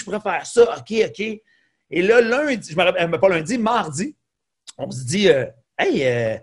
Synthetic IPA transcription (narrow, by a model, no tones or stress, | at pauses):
ʒpuʁɛfɛːʁsʌɔkʲeɔkʲe | elʌlœ̃iʒəmaʁapɛmɛpɔlœ̃d͡zimaʁd͡zi | ɔ̃s̬əd͡ziø | ɛjø